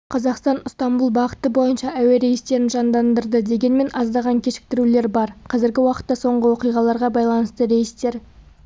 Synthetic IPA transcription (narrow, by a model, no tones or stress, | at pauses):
qʰɑzɑqst̪ɑnʊst̪ɑmbulˠbɑqət̪əbo̞jənʃɑʔæweɾe̞jɪst̪e̞ɾɪnʒɑnd̪ɑnd̪əɾd̪əd̪e̞ɡʲe̞nme̞nʔɑzd̪ɑʁɑŋkʲʰe̞ʃɪ̥k̚t̪ɪɾule̞ɾbɑɾqʰɑzɪɾɡʲɪwɑqə̥t̪ːɑso̞ɴʁəwo̞qijʁɑlˠɑɾʁɑbɑjlˠɑnəst̪əɾe̞jɪst̪e̞ɾ